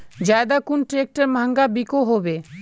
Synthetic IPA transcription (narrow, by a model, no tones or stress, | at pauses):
d͡ʒaed̪akunʈɾek̚ʈeɾmãŋɡabikoɦobe